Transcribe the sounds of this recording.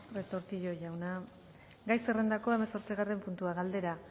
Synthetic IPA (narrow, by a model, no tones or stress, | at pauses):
ret̪o̞ɾt̪iʎo̞ʝawna | ɡajsere̞nd̪ako̞e̞meso̞ɾt͡siɣare̞mpunt̪uaɣald̪e̞ɾa